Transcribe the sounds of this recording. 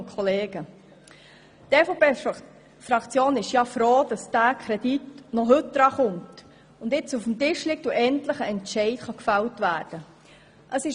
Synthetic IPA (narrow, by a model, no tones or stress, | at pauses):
kʰɔleːɡə | tɛfopeː | fɾɑkt͡sjoːnɪʃjɑfɾoːd̥ɑsd̥ækʰɾɛd̥itnɔɦɵtdɾɑχʊmt | ʊndɪt͡sufm̩tɪʃlɪk̚tuʔɛntləχəɛntʃɛɪtχɑkfæltvæːɾd̥ə | ʔəsɪ